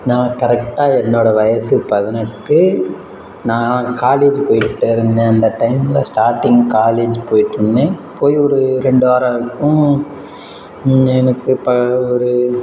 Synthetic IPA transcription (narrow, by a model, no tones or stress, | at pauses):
nãːkɐɾɛk̚ʈaːɛnːoːɽɐʋɐjɐsɯpɐðɪnɐʈkːɯ | nãːkaːleːd͡ʒpoːjkɪʈːɯɪɾɯnd̪ẽːɐnd̪ɐʈɐɪmɪlɐsʈaːɾʈːɪŋɡkaːleːd͡ʒpoːjɪʈːɯnːẽːpoːjiɔɾɯɾɛɳɖaːɾãːɯkːʊ̃ | ɛnɐkːɯpɐɔɾɯ